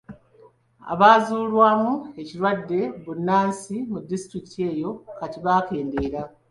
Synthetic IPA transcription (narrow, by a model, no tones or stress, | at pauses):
a̰βaːzuːlwaːmue̞ciɾwadːe̞βunːaːnsimudːisi̥tɾiktʰie̞ːjo̞katiβaːke̞ːnde̞ːɾa